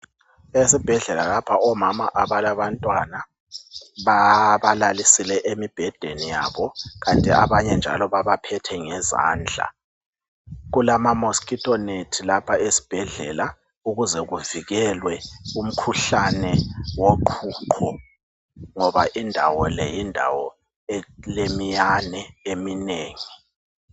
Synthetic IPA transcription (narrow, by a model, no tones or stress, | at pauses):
esib̥ʱɛɮɛlalapʰaɔmamaʔaβalaβantʼwana | βaβalalisilɛʔemib̥ʱɛd̥ʱenija̰ːβɔɣantʼiaβaɲɛnd͡ʒʱa̰lɔβaβapʰɛtʰɛŋɛza̰ːnd͡ɮʱa̰ | ɣulamamoskʼitʼɔnetʰilapʰaesi̥b̥ʱɛɮɛ̰la | uɣuzɛɣuviɣɛlwɛum̩kʰuɬanɛwoǃʰuːǃʰɔ | ŋɔβaʔindʱa̰wɔlɛ̰jindʱa̰wɔ | ɛlemijanɛemineːŋi